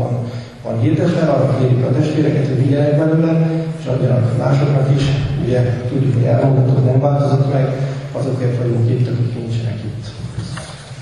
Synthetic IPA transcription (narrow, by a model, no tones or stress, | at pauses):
n | vɒ̰nɦird̪ɛt̪ʋɛɒnːɒkeːɾikɒt̪ɛʃt̪ʋeːɾɛkɛt̪hoɟiɟɛnɛkʋɛlømɛneʃɒɲːɒnɒ̰bma̰ːʃo̞knɒkiʃṵɟɛt̪uɟːukhoɟɛ̰lmoɡ̪ɒt̪oːt̪nɛmvaːlt̪o̞zot̪mɛɡɒzo̞kːeːrt̪ʋɒjuŋkit̪ːøkockint͡ʃɛnɛ̰kit̪ː